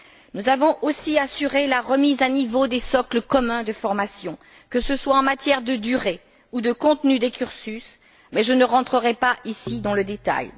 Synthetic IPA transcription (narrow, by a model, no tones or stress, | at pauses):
nuzavɔ̃ʔosiasyʁelaʁəmizanivod̪esɔkləkɔmɛ̃d̪əfɔʁmasjɔ̃ | kəsəswaɑ̃mat̪jɛʁd̪əd̪yʁe | ud̪əkɔ̃t̪nyd̪ekʲyʁsys | mɛʒənəʁɑ̃t̪χəʁɛpaʔisid̪ɑ̃ləd̪et̪a̰j